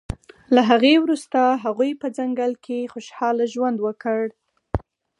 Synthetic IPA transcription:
laɦaɣewɾust̪aɦaɣujpəd͡zaŋɡalkʰexoʃhɑlaʒwand̪wəkəɽ

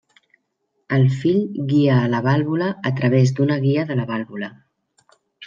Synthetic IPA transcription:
əlˠfiʎɣiəːləβ̞alˠβuləːt̪ɾəβ̞ezd̪unəɣiəðələβalˠβulə

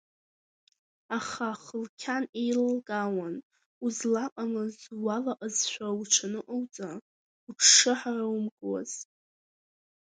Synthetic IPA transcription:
aχaχəlkʲʰanejlɡʼawan | uzlaqʼamɨzwalaʔʼazʃʷᶣauʈ͡ʂʷʰanɨʔʼowt͡sʼa | uʈ͡ʂʰʂɨħarawmɡʼwa̰z̥

